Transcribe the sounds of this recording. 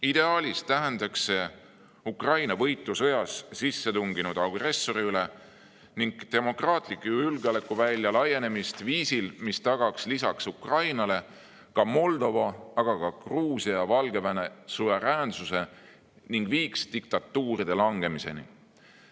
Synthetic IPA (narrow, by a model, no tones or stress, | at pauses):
id̪e̞ɑːlʲist̪æɦend̪̥ɑkse̞ | ukrɑjnɑvɤ̞jt̪ːˑusɤ̞jɑssisːe̞t̪uŋɡ̥inud̪̥ɑɡre̞sːo̞ɾiyle | niŋɡ̥t̪e̞mo̞krɑːt̪ˑlikːˑylɡɑlekːˑuvælʲːjɑlɑjːe̞ne̞mist̪viːsilmist̪ɑɡ̥ɑkslisɑksukrɑjnɑle̞ | kɑmo̞ld̪o̞vɑɑɡ̥ɑkɑkruːsijɑvɑlɡe̞vænesuve̞ɾæːnsuse̞ | niŋɡ̥viːkst̪ik̚t̪ɑt̪ːuːɾid̪e̞lɑŋɡ̥e̞mise̞̰nḭ